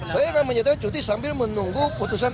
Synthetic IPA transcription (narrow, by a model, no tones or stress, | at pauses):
sajaŋanməɲat̪akant͡ʃut̪̬isambɪlmənuŋɡuput̪us̬an